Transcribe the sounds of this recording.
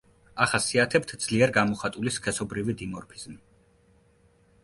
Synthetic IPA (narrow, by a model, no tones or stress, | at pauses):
aχasiat̪ʰɛp̚t̪ʰd̪z̥liɛɾɡamɔχat̪ʼuliskʰɛsɔbɾivid̪imɔɾpʰi̥z̥m